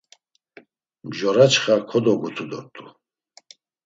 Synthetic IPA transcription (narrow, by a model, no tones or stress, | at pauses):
mʒɔɾat͡ʃχakʰɔd̪ɔɡut̪ʰud̪ɔ̰ɾt̪ʼu